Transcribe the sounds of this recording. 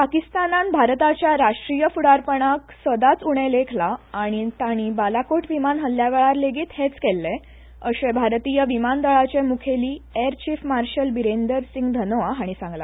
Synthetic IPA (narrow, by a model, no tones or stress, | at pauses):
pakist̪ananbʱaɾt̪at͡ɕjaɾaʂʈɾijəfuɽaɾpəɳ̃aksəd̪at͡suɽ̃elekʰlaːɽ̃it̪aɽ̃ibalakoʈʋimanɦəlːjaʋeɭaɾleɡiːt̪het͡skɛlːe | əɕebʱaɾt̪ijəʋimand̪əɭat͡ɕemukʰeliːeɾt͡ɕiːfmaɾɕəlbiɾenɖ̪əɾsiŋɡd̪ʱənoʋaɦaɽ̃isãŋɡla̰